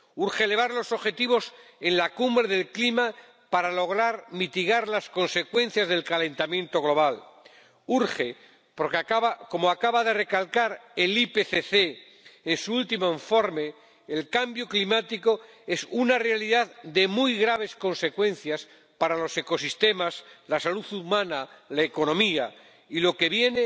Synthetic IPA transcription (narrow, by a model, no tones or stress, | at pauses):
uɾxele̞β̞aɾlo̞so̞βxe̞t̪iβ̞o̞se̞nlakumbɾe̞ðe̞lklima | paɾalo̞ɣ̞ɾaɾmit̪iɣaɾlasko̞nse̞kwe̞n̟θjazðe̞lkalẽ̞nt̪amjẽ̞nt̪o̞ɣ̞lo̞β̞al | uɾxe | po̞ɾkekaβako̞moakaβaðe̞re̞kalkaɾelipeθeθeː | nsuult̪imoiɱfo̞ɾme | elkambjo̞klimat̪iko̞ | e̞sunare̞aliðaðd̪e̞mujɣɾaβ̞e̞sko̞nse̞kwẽ̞n̟θjas | paɾalo̞se̞ko̞sist̪e̞maslasaluθumanalaeko̞nõ̞mia | ilo̞ke̞βje̞ne